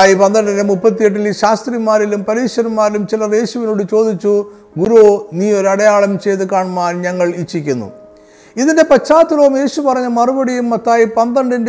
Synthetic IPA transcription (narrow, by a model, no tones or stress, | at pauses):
aːjipɐnd̪ɐɾɐɳɖinemupːɐt̪ːijeʈ̬ːilɕaːst̪rimːaːɾilumpɐɾiːɕɐɾɐmmaːɾilumt͡ɕilɐre̞ːɕuʋinoːɽɨt͡ɕo̞ːd̪it͡ɕːu | ɡuɾuoːniːoɾɐɽɐjaːɭɐmt͡ɕe̞jt̪ɨkaːɳmaːnɲɐŋːɐɭit͡ɕːikʲːunːṵ | iðinde̞pɐt͡ɕːaːt̪ːuloːmje̞ːɕupɐrɐɲːɐmɐrubɐɽijumːɐt̪ːaːjipɐnd̪ɐɾɐɳɖind